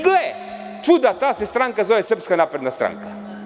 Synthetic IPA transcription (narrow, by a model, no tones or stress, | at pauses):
ɡle | t͡ʃud̪at̪aːsest̪ɾaŋkazɔʋɛsr̩pskanapɾed̪nast̪ɾa̰ŋkḁ